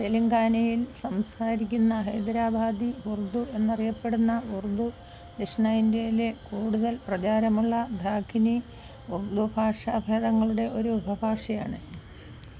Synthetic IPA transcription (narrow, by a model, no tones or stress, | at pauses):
t̪eliŋɡaːnɐjilsɐmsaːɾikʲːunːɐɦɐjd̪ɐɾaːbʱaːd̪iurd̪ue̞nːɐrijɐpːe̞ɽunːɐurd̪u | liʂnɐjindejile̞kuːɽuðɐlprɐt͡ɕaːɾɐmuɭːɐd̪ʱaːkʰːini | urd̪ubʱaːʂaːbʱjeːðɐŋːɐɭuɽe̞ʔo̞ɾuubʱɐbʱaːʂɐja̰ːɳɨ